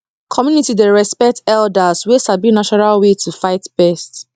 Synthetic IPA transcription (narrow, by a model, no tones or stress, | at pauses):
kʰɔmjunitideɹɛspɛk̚tɛldaswesabinaʃɔnalwetʰufaɪtb̥ɛst